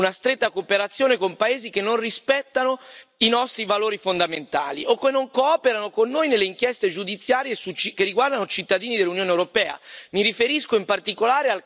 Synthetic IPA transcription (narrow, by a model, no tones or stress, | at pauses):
unast̪ɾet̪ːakopeɾat̪sːjoːnekompaeːzikenːonrispɛt̪ːanoinɔst̪ɾivaloːɾifond̪ament̪a̰ːlḭokːenːoŋkoɔːpeɾanokonːoːjnelːeiŋkjɛst̪ed͡ʒud̪it̪sːjaːɾjesut͡ʃkerːiɡward̪anot͡ʃit̪ːad̪iːnid̪elːunjoːnewɾopɛːa̰miɾifeɾiskoimpart̪ikolaːɾeal